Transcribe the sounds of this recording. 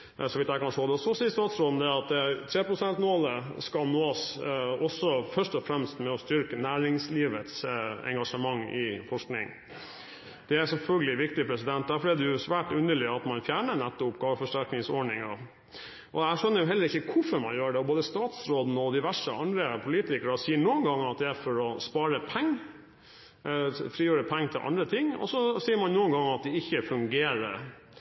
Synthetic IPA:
sɔʋɪt̪jæɪkʰɑnʂoːd̪ɛɔsɔsiːst̪ɑːt̪sɾoːd̪n̩əd̪ɛɑt̪t̪ʰɾeːpɾʊsɛnt̪moːləskɑlnoːɑsɔsːɔfœʂʈɔfɾɛmst̪mɛɔst̪ʏɾkənæːɾɪŋsliːʋət̪sɛ̰ŋɡɑʂəmɑŋːɪ̰fɔʂknɪ̰ŋ | d̪̥ɛæsɛlfœlɡəlɪʋɪk̚t̪ɪpʰɾɛsɪd̪ɛnt̪̚d̪æɾfɔɾɛd̪ɛjʊsʋæːʈʉnd̪əɭɪɑt̪mɑnfjæːɳənæt̪ːʊpɡɑːʋəfɔʂʈæɾknɪŋsɔɖɳɪŋɑ | ʔɔæʂœnːəɾjʊɦɛlːəɾɪk̪ːəkʰʊfɔɾmɑnjøːɖɛɔboːd̪əst̪ɑːt̪sɾoːd̪nəɔd̪ɪʋæʂəʔɑ̰nd̪ɾəpʰʊliːt̪ɪkəɾɔsiːəɳuːənɡɑŋːɑt̪̚d̪ɛæɾfɔɾɔspɑːɾəpʰæŋː | fɾiːjøːɾəpʰɛŋːət̪ʰɪlʔɑ̰nd̪ɾət̪ʰɪŋːɔ̰sːɔsiːəɾmɑnnuːənɡɑŋːɑt̪̚d̪ɛɪçːəfʉŋɡeːɾə̰ɾ

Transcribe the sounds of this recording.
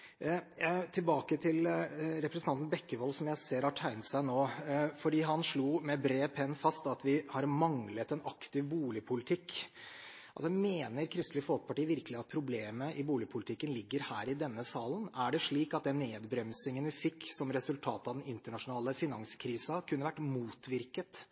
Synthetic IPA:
t̪ʰɪlbɑːkət̪ʰɪlɾɛpɾəsn̩ɑnt̪n̩bɛkːəʋɔlsɔmjæɪseːɾhɑʈʰæɪnt̪sæɪnoːfɔɖiːɦɑnʂɭuːmɛbɾeːpʰɛnːfɑst̪ɑt̪ʋɪhɑɾmɑŋlət̪ɛnɑkt̪ɪʋbuːlɪpʰʊlɪt̪ʰɪkː | ʔɑlsɔmeːnəɾkʰɾɪst̪lɪfɔlt̪pʰɑʈiːʋɪɾkəlɪɑt̪̚pʰɾʊbleːməʔɪbuːlɪpʰʊlɪt̪ʰɪkːənlɪɡːəɾhæːɾɪd̪ɛnːəsɑːlənæɖɛʂɭiːkɑt̪̚d̪ɛnːeːd̪bɾɛmsɪŋənʋɪfɪkːsɔmɾɛsʉlt̪ʰɑːt̪əɑʋd̪ɛnɪnt̪əɳɑʂʊnɑːləfɪnɑŋskʰɾiːsɑkʰʉnːəʋæʈːmuːt̪ʋɪɾkət̪

